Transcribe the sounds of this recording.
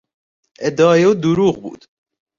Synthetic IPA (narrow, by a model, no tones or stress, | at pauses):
ɛd̪ɑːjɛwd̪uɾuːɣbṵːd̪̥